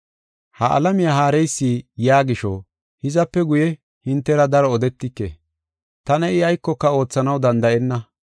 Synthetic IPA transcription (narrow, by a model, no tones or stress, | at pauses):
hɐʔɐ̰lɐmɪjaːɦaːɾɛjsːijaːɡɪʃɔ̰ | hɪzɐpːɛɡʊjɛ | hɪnt̪ːɛɾɐd̪ɐɾɔɔd̪ɛt̪ːɪkːḛː | t̪ɐnɛɪɐjkːɔkːɐo̞ːt͡sːɐnɐwd̪ɐnd̪ɐʔɛnːɐ